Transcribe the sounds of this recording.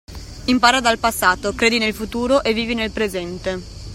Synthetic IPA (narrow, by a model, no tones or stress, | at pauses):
impaːɾad̪alpasːaːt̪okɾeːd̪inelfut̪uːɾoʔevːiːvinelpɾezɛnt̪e